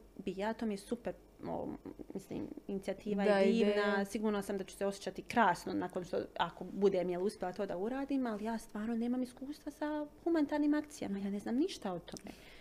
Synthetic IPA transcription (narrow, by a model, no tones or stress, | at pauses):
bijat̪omejesupeɾ | o̰mislḭːminit̪iat̪iːʋajediːʋnnasiɡuːɾnasamd̪at͡ɕu̥seo̞sjet͡ʃat̪ikɾaːsnonako̞nʃt̪o̰ako̞bud̪emjeluspjelat̪o̞ːd̪auɾaːd̪iːmalijaːst̪ʋaːɾno̞ne̞ːmamiskuːst̪ʋasahumanit̪aːɾniːmakt̪sija̰majaːneznaːmniʃt̪aot̪o̞mḛ